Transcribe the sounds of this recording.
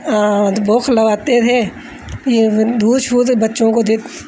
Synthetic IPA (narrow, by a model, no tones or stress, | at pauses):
boːkʰləʋaːt̪et̪ʰe | kid̪uːd̪ʃuːd̪bɐtːʃõkod̪ɪt̪